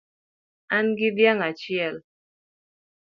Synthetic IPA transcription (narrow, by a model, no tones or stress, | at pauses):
anɡidjaŋat͡ʃjɛl